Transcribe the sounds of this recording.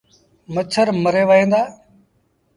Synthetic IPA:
mət͡ʃʰəɾməɾeːʋəːɦẽːnd̪aː

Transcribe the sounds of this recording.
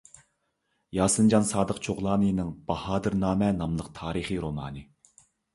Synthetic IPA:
jɑːsɨnd͡ʒɑnsɑːd̪əqt͡ʃʰoʁlˠɑːnɨnɨŋb̥ɑhɑːd̪ɨɾnɑːmɛnɑmlˠəqt̪ʰɑːɾɨχiɾomɑ̰ːnɨ

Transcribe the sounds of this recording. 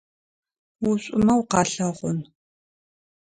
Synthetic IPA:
wʊɕʷʼʊmɐwqɑːɬɐʁʷʊn

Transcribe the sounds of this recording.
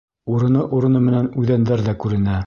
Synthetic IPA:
uɾɤ̆nɤʔuɾɤ̆nɤmɘ̆nænʉðænd̪æɾðækʉɾɘ̆næ

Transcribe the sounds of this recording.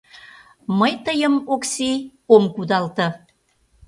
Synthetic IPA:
məjt̪əjəmoksiomkud̪ɑlt̪ə̆

